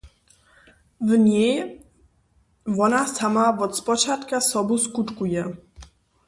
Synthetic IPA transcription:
vɲej | vɔnasamavɔt̪spɔt͡ɕat̪kasɔbuskutkujɛ

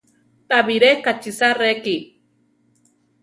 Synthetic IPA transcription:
t̪ʼaβiɾekat͡ʃisareki

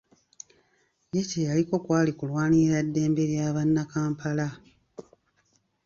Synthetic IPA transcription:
jecejaliko̞kwaːlikulwaːniɾadːe̞ːmbe̞ɾjaːβanːakaːmpʰala

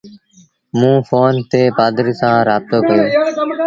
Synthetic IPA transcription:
mũːfʰoːnt̪eːbaːd̪ɾiːsãːɾaːb̚t̪oːkəjuː

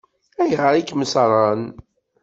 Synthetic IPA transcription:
æjʁəɾˤikməsɾˤɑn

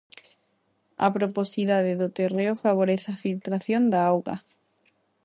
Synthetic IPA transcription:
a̰pɾoposiðaðeðot̪ereofaβ̞oɾeθafilt̪ɾaθjond̪aawɣa̰

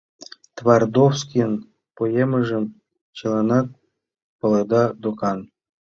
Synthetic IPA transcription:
t̪vɑrd̪ofskʲijən | pojemə̆ʒə̆m | t͡ɕəlɑnɑt̪̚ | pɤ̆lˠɤd̪ɑd̪okɑn

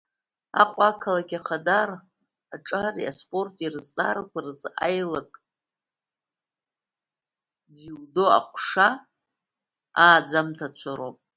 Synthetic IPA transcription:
a̰qʷʼakʰalaɡʲaχadar | aʈ͡ʂʼaria̰spʼo̞rtʼirɨzt͡sʼa̰ɾkʷarɨzajlakʼ | ziwdoa̰qʷʰʂa | aːd͡zamtʰat͡ʃʷʰaɾopʼ

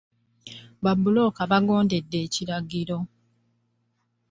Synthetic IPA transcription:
babːulo̞kaβaɡo̞ːnde̞dːe̞ːciɾaɡiɾo̞

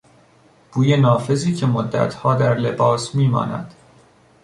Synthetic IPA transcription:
b̥uːjenɒːfe̞ziːcʰemod̪ːæ̰t̪ʰhɒːd̪æɾle̞bɒːsmiːmɒ̰ːnæ̰d̪̥

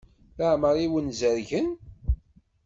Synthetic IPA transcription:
ləʕməɾˤiwənzəɾʝən

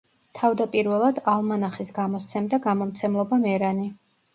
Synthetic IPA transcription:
t̪ʰavd̪apʼiɾvɛlˠad̪alˠmanaχisɡamɔst̪sʰɛmd̪aɡamɔmt̪sʰɛmlˠɔbamɛɾani

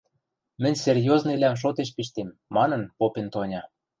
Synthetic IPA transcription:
mɘ̆nʲserjoznɤlæmʃ̬ot̪eʃpiʃ̬t̪emːɑnɤ̆npopent̪onʲɑ

